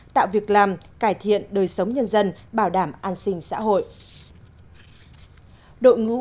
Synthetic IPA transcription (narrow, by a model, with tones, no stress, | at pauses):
t̪a̰ː˧˨wvi˨˩ək̚laː˨˩mkaː˧˩jt̪ʰḭ˧˨ənɗəː˨˩jsə˨˦wɲə˧nzə˧nɓaː˧˩wɗaː˧˩mʔaː˧nsï˧ŋ̟sa̰ː˧˥ɦo̰˧˨j | ɗo̰˧˨jŋɨ̰˧˥